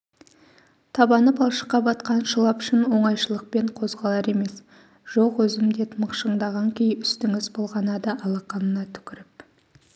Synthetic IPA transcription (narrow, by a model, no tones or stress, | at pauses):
t̪ʰɑbɑnəpɑlˠʃə̥qːɑbɑt̪qɑnʃəlˠɑpʏ̥ʃɪnwo̞ɴɑjʃəlˠəq̚peɴqʰo̞zʁɑlˠɑɾe̞me̞s | ʒ̥oqwɵzɪmd̪e̞t̪məqʃəɴd̪ɑʁɑŋkʲʰejʏst̪ɪŋɪzbo̞lˠʁɑnɑd̪əʔɑlˠɑqɑnənɑt̪ʰʏ̥kʲɪɾɪp̚